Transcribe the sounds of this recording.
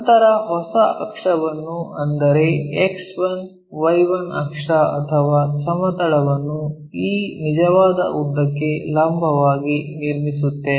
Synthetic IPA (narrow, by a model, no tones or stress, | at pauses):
nt̪ɐɾɐɦɔsɐʔɐkʂɐʋɐnːuɐnd̪ɐɾeeksʋɐn | ʋɐjʋɐnɐkʂɐɐt̪ʰɐʋaːsɐmɐt̪ɐɭɐʋɐnːu | iːnid͡ʒɐʋaːd̪ɐ̰ʔud̪ɐkːe̞laːmbʱɐʋaːɡiniɾmisut̪ːe